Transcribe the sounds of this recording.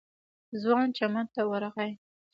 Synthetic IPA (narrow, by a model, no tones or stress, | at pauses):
zwɑnt͡ʃamant̪awaɾaɣaj